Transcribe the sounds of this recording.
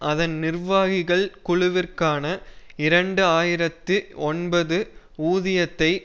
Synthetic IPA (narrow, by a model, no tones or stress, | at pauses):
ʔɐðɐnnɪrʋaːɣɪɣɐɭkʊɻʊʋɪrkaːnɐɪɾɐɳɖɯaːjɪɾɐt̪ːɯɔnbɐðɯ | uːðɪjɐt̪ːɐɪ